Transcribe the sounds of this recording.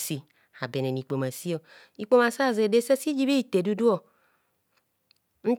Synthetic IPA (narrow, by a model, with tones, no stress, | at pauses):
si˧ | a˨bɛ˨nɛ˨ni˨k͡po˨ma˨si˦ɔ˨ | i˨k͡po˧ma˨sa˦˨ze˨de˦sɛ˦si˦d͡ʒi˦bi˦i˨t̪e˨du˧du˦ɔ˨ | n̩˦